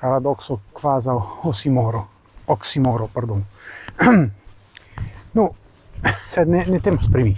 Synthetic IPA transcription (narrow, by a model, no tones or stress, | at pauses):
kaɾad̪ɔksokvazaosimoɾo | ɔksimoːɾopaɾd̪on | no | sɛnɛnɛt̪emaspɾimi